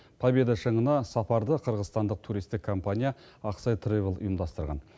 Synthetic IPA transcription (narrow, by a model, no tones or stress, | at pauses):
pʰɑbe̞d̪əʃəɴənɑsɑpɑɾd̪əqʰəɾʁəzst̪ɑnd̪əq̚t̪ʰuɾijst̪ɪkʰːo̞mpanʲija | ɑqsɑjt̪rivlˠʊ̰jəmd̪ɑst̪əɾʁɑ̰n